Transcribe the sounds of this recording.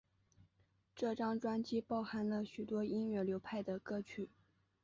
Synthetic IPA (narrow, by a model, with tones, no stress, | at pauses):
ʈ͡ʂɤ˥˩ʈ͡ʂɑ˥ŋʈ͡ʂwa˥nt͡ɕi˥pɑ˥˩ʊxa˧˥nlə˨ɕy˨˩t̪wɔ˥i˥nɥɛ˥˩ljo˧˥ʊpʰa˥˩ɪd̪ə˩kɤ˥˧t͡ɕʰy˨˩